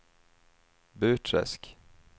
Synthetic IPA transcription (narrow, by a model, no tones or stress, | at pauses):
bʉ̟ːʈʰɾɛ̰sk